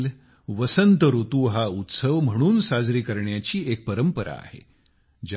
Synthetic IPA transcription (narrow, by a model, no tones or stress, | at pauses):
l | ʋəsənt̪əɾut̪uɦaut̪səʋm̤əɽ̃uːnsad͡zɾiːkəɾɳjat͡ɕiːek̚pəɾəmpəɾa̰ːɦḛ | d͡ʑ